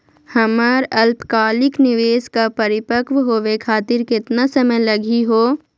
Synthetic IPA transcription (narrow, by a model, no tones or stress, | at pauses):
hɐməɾɐlpkaːlɪknɪʋeːskapɐɾɪpəkʋɦoːʋekʰaːt̪ɪɾkɪt̪nasɐməjlɐɡiɦoː